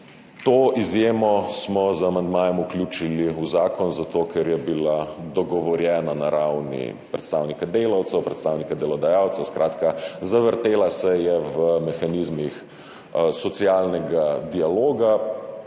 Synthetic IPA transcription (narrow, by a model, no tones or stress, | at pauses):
t̪oːizjeːmɔsmɔzamand̪maːjɛmuklʲjuːt͡ʃiliuzaːkɔnzat̪oːkʰɛɾjɛbilad̪ɔɡɔʋɔɾjɛːnanaɾawnḭpɾɛt̪st̪aːwnikad̪eːlawt̪sɛwpɾɛt̪st̪aːwnikad̪ɛlɔd̪ajawt̪sɛwskɾʔaːt̪kazaʋəɾt̪eːlasɛjɛʋəmɛxanizmix | sɔt̪siaːlnɛɡad̪ialoːɡa